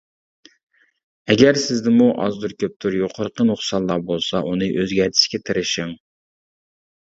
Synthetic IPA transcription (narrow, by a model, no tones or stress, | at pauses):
ɛɡʲæɾsɪzd̪ɪmuʔɑ̰zd̪uɾkʲʰøp̚t̪ʰuɾjoqʰəɾəqʰənʊχsɑnˠlːˠɑbolˠsɑʔunɨʔøzɡʲɛɾt̪ʰɪ̥ʃkʲɛt̪ʰɪɾɪʃɪŋ